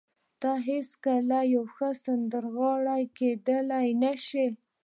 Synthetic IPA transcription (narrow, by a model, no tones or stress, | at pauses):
d̪̥ɑɦeskalajawxəsand̪əɾɣɑɽajked̪əlajnaʃi